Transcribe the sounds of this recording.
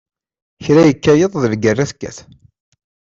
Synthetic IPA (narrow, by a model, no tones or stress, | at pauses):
çɾæjəkːæjəðˤðəlɡərːæθkːæ̰θ